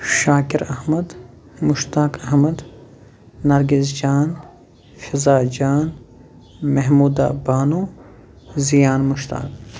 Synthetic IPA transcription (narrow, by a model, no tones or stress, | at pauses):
ʃaːkiɾɐhmɐd̪ | mʊʃt̪aːkɐhmɐd̪ | nɐɾɡisd͡ʒaːn | fɪzaːd͡ʒaːn | mɐɦmuːd̪a̰ːbaːnuː | zijaːnmʊʃt̪a̰ːk